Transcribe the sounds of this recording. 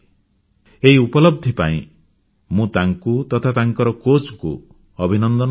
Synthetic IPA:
eɦiupɔlɔb̚d̪ʱipa̰ḭ̃ | mũt̪aŋkut̪ɔt̪ʰat̪aŋkɔɾɔkot͡ʃɔkṵ | ɔbʱinɔnd̪ɔn

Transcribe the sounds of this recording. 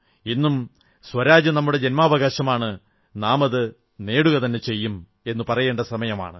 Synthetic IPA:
inːum | sʋɐɾaːd͡ʑɐnɐmːuɽe̞d͡ʑenmaːʋɐɣaːɕɐmaːɳɨ | naːmɐðɨ | ne̞ːɽuɣɐt̪ɐnːe̞t͡ɕe̞jːum | e̞nːɨpɐrɐje̞ːɳɖɐsɐmɐjɐma̰ːɳɨ

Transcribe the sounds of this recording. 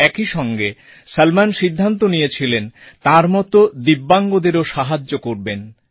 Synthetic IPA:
ɛkiʃɔŋɡe | salmanʃid̪ʱːant̪̬onijet͡ɕʰilent̪aɾmɔt̪od̪ibːaŋɡod̪eɾoʃaɦad͡ʑːokoɾben

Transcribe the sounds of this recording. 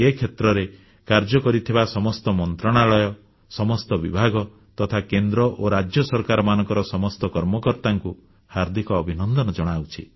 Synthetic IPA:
ekʰet̪ɾɔɾe | kaɾd͡ʒɔkɔɾit̪ʰibasɔmɔst̪ɔmɔnt̪ɾɔɽ̃aɭɔjɔ | sɔmɔst̪ɔbibʱaɡɔ | t̪ɔt̪ʰakend̪ɾɔʔoɾad͡ʒjɔsɔɾkaɾɔmanɔŋkɔɾɔsɔmɔst̪ɔkɔɾmɔkɔɾt̪aŋku | haɾd̪ʱikɔːbʱinɔnd̪ɔnɔd͡ʒɔɽ̃awt͡ʃʰi

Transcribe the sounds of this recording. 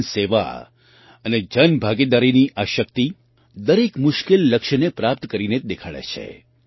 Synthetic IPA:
seʋa̰ | əned͡ʒənbʱaɡid̪aɾiniʔaʃəkt̪i | d̪əɾekmʊʃkelːəkʃnepɾap̚t̪kəɾined̪ekʰaɭḛt͡ʃʰḛ

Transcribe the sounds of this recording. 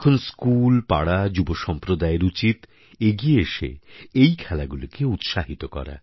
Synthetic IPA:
kʰonskulpa̰ɽad͡ʑuboʃɔmpɾod̪aeɾut͡ɕit̪ | eɡieeʃḛejkʰɛlaɡulokeut̪ʃaɦit̪okɔ̰ɾa̰

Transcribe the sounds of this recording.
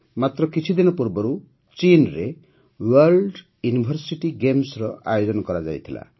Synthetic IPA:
mat̪ɾɔkit͡ʃʰid̪inɔpuɾbɔɾu | t͡ʃinɾe | walɖ | junibʱɔɾsiʈiɡemsɾɔʔa̰jod͡ʒɔnɔkɔɾad͡ʒa̰jt̪ʰila̰

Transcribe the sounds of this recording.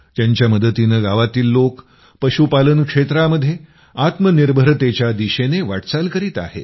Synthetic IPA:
t̪jaɲt͡ɕjaməd̪ət̪inəɡaʋat̪iːlːok | pəɕupalənkʂet̪ɾaməd̪ʱːje | at̪məniɾbʱəɾt̪et͡ɕjad̪iɕeneʋaʈt͡salkəɾiːt̪a̰hḛ

